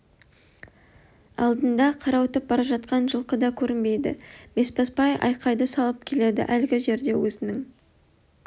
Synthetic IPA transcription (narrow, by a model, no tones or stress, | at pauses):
ɑ̰lˠd̪ənd̪ɑqʰɑɾɑwət̪əp̚bɑɾɑʒɑt̪̚qɑnʒəlˠqəd̪ɑkʲʰɵɾɪnbe̞jd̪ɪ̰b̥e̞spɑspɑjʔɑ̰jqʰɑjd̪əsɑlˠəp̚kʲʰe̞le̞d̪ɪ̰ʔælɡʲɪʒe̞ɾd̪e̞wɵzɪnɪŋ